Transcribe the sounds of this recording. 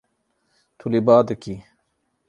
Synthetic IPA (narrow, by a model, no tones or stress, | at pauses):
t̪ʰulibaːd̪ɐki